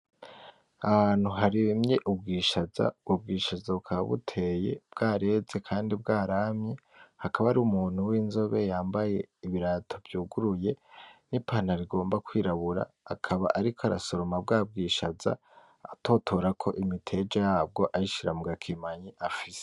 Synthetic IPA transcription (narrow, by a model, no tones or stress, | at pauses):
ahaːn̥huɦaɾimɲeʔubɡiːʃaza̰ɡub̚ɡiːʃazaukʰaβaβṵtʰe̞je̞̰b̥ɡaːɾe̞ze̞kʰaːndibɡaːɾaːmɲe | hakʰaβaɾumuːn̥huwiːnzo̞βe̞jaːmbaje̞iβiɾatʰo̞bjuːɡuɾuje̞nipaːn̥aɾiɡo̞ːmbakwiːɾaβuɾa̰ːkʰaβa̰ʔaɾikʰoaɾa̰so̞ɾo̞mab̚ɡaːb̚ɡiːʃaza̰ | ato̞ːtʰoɾakʰo̞ʔimitʰe̞d͡ʒejaːb̚ɡo̞ʔajiʃiɾamuɡakʰimaɲiʔafiz̥e̥